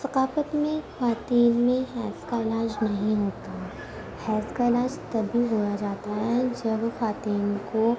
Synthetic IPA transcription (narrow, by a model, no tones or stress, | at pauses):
sɐqaːfət̪mẽxaːt̪iːlmẽɦɛːskaɪlaːd͡ʒnɐɦĩɦoːt̪aɦ | hɛːskaɪlaːd͡ʒt̪ɐbʱiɦoːjad͡ʒaːt̪aɦɛd͡ʒɐbxaːt̪iːnko